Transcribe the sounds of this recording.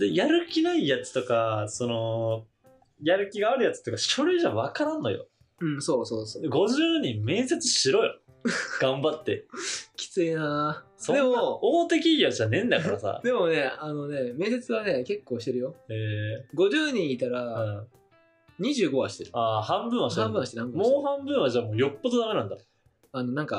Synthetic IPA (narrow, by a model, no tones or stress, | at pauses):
d̪ejaɾɯ̟kʲinaijat͡sɨ̥t̪o̞kaso̞no̞ | jaɾɯ̟kʲiɡaaɾɯ̟jat͡sɨ̥t̪okaɕo̞ɾeʑaβakaɾãnːo̞̰jo̰ | ɯ̟̃ɴso̞ːsoːsoːd̪eɡo̞ʑɨːɲ̟ĩmmːẽ̞ːse̞t͡sɨɕiɾo̞jo | ɡ̥ãmbat̪ːe̞̰kʲi̥t͡sɨina | sod̪eooːt̪e̞k̬ʲiɡʲoʑanẽ̞nd̪akaɾasa̰d̪e̞mo̞ne̞ano̞ne̞me̞ːse̞t͡sɨβane̞ke̞kːoːɕi̥t̪e̞ɾɯjo̞eːɡo̞ʑɨːɲ̟ĩɰit̪aɾa | ɲ̟iʑɨːɡo̞βaɕi̥t̪e̞ɾɯ̟aːhãmbɯ̟̃ɰ̃βaɕt̪hãmbɯ̟̃aɕit̪eɾãmbmoːhãmbɯ̟̃ɰ̃βaʑaːmoːjo̞pːod̪od̪ame̞nãnd̪a | ano̞nãŋka